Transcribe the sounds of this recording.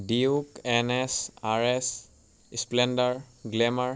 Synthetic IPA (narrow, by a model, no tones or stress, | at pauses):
diukɛnɛsaɹes | splɛndaɹɡlɛmaɹ